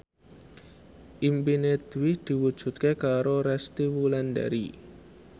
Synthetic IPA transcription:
ʔimpined̪wɪd̪̥i̤wud̥ʒ̥ṳt̪̚kekaɾoɾɛst̪iwulanda̰ɾi

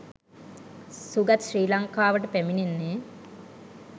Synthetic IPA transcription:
suɡat̪ʃriːlaŋkaːʋəʈəpæmininːeː

